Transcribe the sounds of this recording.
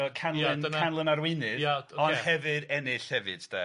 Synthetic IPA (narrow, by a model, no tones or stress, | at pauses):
ɔkʰanlˠɨnənkʰanlˠənaɾwɪnɨdjaoɔnhɛvɨdɛnɪɬhɛvɨ̰d̥d̥a̰